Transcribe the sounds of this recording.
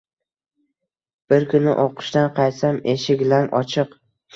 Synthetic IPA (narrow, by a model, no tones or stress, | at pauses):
b̥ɪɾkʰʊnɪ̰ʔoqʰɨ̥ʃt̪anqʰɑj̪sameʃɪɡʲlanʔɒt͡ʃʰɨq